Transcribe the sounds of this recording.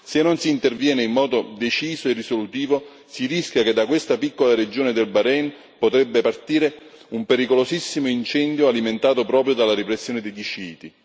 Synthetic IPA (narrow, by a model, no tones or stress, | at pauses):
senːonsiːnt̪ervjɛːneimːɔːd̪od̪et͡ʃiːsoerːisolut̪iːvo | siriskʲjaked̪ːakwest̪apikːolaɾed͡ʒoːned̪elbaɾɛn | pot̪ɾebːepart̪iːɾe | umpeɾikolosisːimoint͡ʃɛnd̪joaliment̪aːt̪opɾɔːpɾjod̪alaɾipɾesːjoːned̪ejd̪it͡ʃiːt̪i